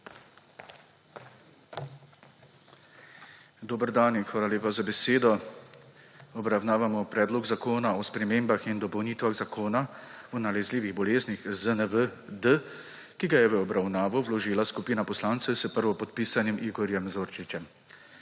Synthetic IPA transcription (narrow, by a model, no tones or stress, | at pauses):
d̪oːbəɾd̪aninxʋaːlaleːpazabɛseːd̪ɔ | ɔbɾawnaːʋamɔpɾɛːd̪lɔɡzakoːnaɔspɾɛmeːmbaxind̪ɔpɔwniːt̪ʋaɣzakoːnaɔnalɛzliːʋiɣbɔleːznixzənəʋəd̪ə | kiɡajɛʋəɔbɾawnaːʋɔwlɔʒiːlaskupiːnapɔslaːnt̪sɛsəpəɾʋɔpɔt̪̚piːsanjɛmʔiɡɔɾjɛmzoːɾt͡ʃit͡ʃɛm